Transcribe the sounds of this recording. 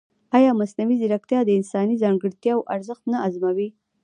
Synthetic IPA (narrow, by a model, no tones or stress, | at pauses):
ɑjɑmasnawizɪɾakt̪jɑd̪əɪnsɑnizɑŋɡəɽt̪jɑwʔaɾzəxt̪naazmawi